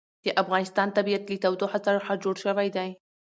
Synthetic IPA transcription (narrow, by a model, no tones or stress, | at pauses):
d̪̥əʔafɣɑnɪst̪ɑnt̪abiat̪lit̪awd̪ohasaɾxad͡ʒoɽʃəwajd̪aj